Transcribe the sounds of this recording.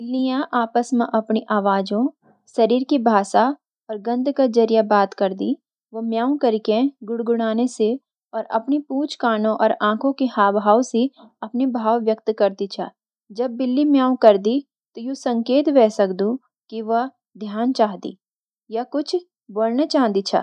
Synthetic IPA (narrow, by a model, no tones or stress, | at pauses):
bɪlːijãʔaːpəsmẽʔɐpniʔaːʋaːd͡ʒõ | ʃɐɾiːɾkibʱaːsa | ɔːɾɡɐ̃nd̪ʱkad͡ʒɐɾijabaːt̪kɐɾd̪i | ʋomjaːõkɐɾɪkẽɡʊɽɡʊɽ̃aːnese | ɔːɾʔɐ̰pnipuːt͡ʃkaːnõʔɔ̰ːɾãːkʰõkehaːbɦaːwse | ɐpnebʱaːʋːjəkt̪kɐɾd̪it͡ʃʰa̰ː | d͡ʒɐbːɪlːimjaːõkɐɾd̪i | t̪ojũsɐ̃ŋkeːt̪ʋɛːsɐkd̪ũ | kiʋɐɦ | d̪ʱjaːnt͡ʃaːɦd̪ḭː | jɐkʊt͡ʃʰ | boːlnat͡ʃaːɦd̪it͡ʃʰa̰ː